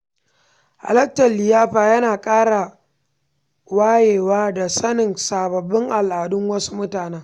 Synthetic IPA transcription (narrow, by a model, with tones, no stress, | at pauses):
ʔa̰˨lɐ˦k̚tɐ˨lːɪ˨jaː˦ɸaː˨jɐ˦naː˨kʼaː˦ɽa˨ | waː˦jeː˨waː˦da˨sɐ˦nɪ˨nsaː˨bɐ˨bːɪ˦ŋʔa˨lʔaː˨dʊ˦ŋwɐ˦su̥˦mʊ˦taː˨ne˦ŋ